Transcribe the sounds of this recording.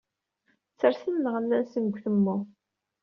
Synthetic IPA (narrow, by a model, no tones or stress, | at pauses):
t͡sːəɾθinːəʁəlːænsənɡʷθəmːʊ